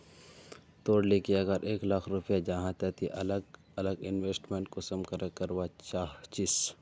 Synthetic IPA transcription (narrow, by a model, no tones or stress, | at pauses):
t̪oːɽlekiɐɡəɾʔeːklaːkʰɾupjad͡ʒaɦãt̪ɛt̪ʰiʔɐləɡ | ɐləɡɪnweːsʈmẽːɳʈ̚kosɐmkəɾəkəɾwat͡ʃaːɦt͡ʃɪs